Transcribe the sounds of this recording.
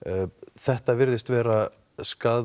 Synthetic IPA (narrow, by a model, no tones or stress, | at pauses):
θɛht̪avɪɾðɪst̪vɛːɾa | skaː